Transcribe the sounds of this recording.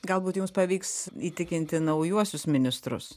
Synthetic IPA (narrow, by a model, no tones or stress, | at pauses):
ɡɐlˠbuːt̪jʊmspɐʋʲiːksiːt̪ʲɪkʲɪnʲt̪ʲɪnɐʊjuɔsʲʊsmʲɪnʲɪst̪ɾʊ̰s